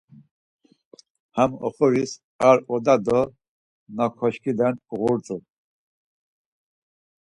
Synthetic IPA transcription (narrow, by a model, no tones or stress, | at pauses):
hamɔ̰χɔɾis | aɾɔd̪ad̪ɔ | nɔkʰɔʃkʰid̪ɛnɣuɾt͡sʼu